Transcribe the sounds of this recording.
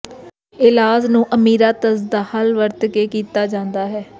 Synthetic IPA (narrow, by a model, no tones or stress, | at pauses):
ɪlaːznũːʔəmiːɾaːt̪əsd̪aːhəlʋəɾt̪keːkiːt̪aːd͡ʒãːnd̪aːɦɛː